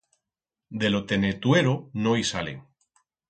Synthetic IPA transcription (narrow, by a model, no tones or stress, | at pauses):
d̪elo̞t̪e̞net̪weɾonoisalḛŋ